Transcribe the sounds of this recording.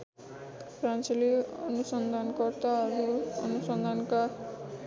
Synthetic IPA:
prant͡sʌliʌnusʌnd̪ʱankʌrt̪aʌɾuʌnusʌnd̪ʱanka

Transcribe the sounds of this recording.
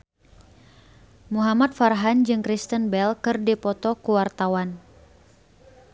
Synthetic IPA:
muɦamat̪̚farɦand͡ʒɨŋkɾist̪ənbɛlkɨrdipɔt̪ɔkuwart̪awan

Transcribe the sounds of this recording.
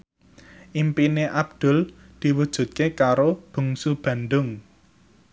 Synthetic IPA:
ʔimpineʔab̚d̪̥ʊ̤l | d̪̥i̤wud̥ʒ̥ṳt̪̚kekaɾob̥ṳŋsub̥ä̤nd̪ʊŋ

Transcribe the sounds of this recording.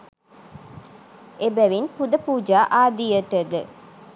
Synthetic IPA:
ebæʋinpud̪əpuːd͡ʒaːʔaːd̪ijət̪əd̪ə

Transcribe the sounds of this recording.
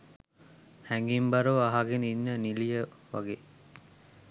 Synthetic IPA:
hæŋɡimbɐɾoʋaɦaɡeninːənilijəʋaɡeː

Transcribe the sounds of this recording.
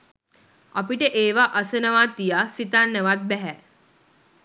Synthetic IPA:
a̰piʈəʔeːʋaʔəsənəʋaːt̪ijasit̪anːəʋat̪̚bɛɦɛ

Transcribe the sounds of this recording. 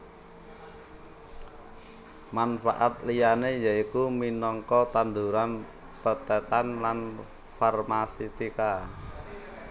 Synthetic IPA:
manfa̰ʔat̪lijanejaikuminɔŋkɔt̪and̪uɾan | pət̪ɛt̪anlan | farmasit̪ika

